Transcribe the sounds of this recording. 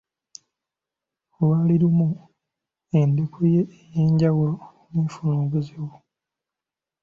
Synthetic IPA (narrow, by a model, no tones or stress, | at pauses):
lwaːliɾumu | end̪ekujeːjeːɲɟawa | neːfunoːβuziwo